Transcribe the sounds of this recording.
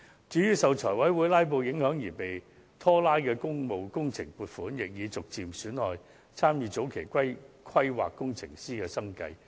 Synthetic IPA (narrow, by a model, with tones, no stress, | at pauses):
t͡syː˨˧˥jyː˥sɐ˨wt͡ʃʰɔː˨˩jwɐ˨˥jwuː˨˥jlaː˥jp̬o˧wjɪ˨˥ŋhœː˨˥ŋjiː˨˩pe˨j | t̪ʰɔː˥laː˥jkɛː˧kʊ˥ŋmo˨wkʊ˥ŋt͡sʰɪ˨˩ŋpuː˨˩t̚fuː˨˥njɪ˨k̚jiː˨˧t͡sʊ˨k̚t͡siː˨msyː˨˥nlɔː˨˩j | t͡sʰaː˥mjiː˨˧t͡so˨˥wkʰe˨˩jkʰʷwɐ˥j | kʰwɐ˥jwa̰ː˨kːʊ˥ŋt͡sʰɪ̰˨˩ŋsiː˥kɛː˧sɐ˥ŋkɐ˧j